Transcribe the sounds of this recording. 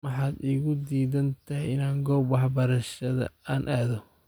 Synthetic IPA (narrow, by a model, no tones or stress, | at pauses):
mɑħɑːd̪iːɣʊd̪iːðɐnt̪ʰɐɦɪjɪnaːŋɡɔːbwɑħbɐɾɐʃɐðɐ̰aːnʔaːðɔ